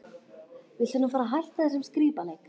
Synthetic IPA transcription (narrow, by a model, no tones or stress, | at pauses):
vɪðsʏnafaːɾaɦajl̥t̪hɛt̪ːasɛmskɾiːpalejk